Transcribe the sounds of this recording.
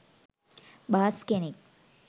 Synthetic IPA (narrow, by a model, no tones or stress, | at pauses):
baːskenik